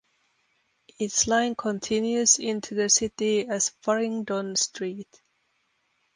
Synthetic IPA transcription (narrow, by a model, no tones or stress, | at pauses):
ɪtslãɪ̃nkʰə̃ntʰɪ̃njʉzɪ̃ntʰʉðɨsɪtiɨz̥fɔɹɪ̃ŋdɔ̃nstʰɹ̥it